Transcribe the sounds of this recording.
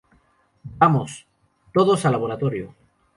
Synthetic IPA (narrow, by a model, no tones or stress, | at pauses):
bamos | t̪oð̞osalaβ̞oɾat̪oɾjo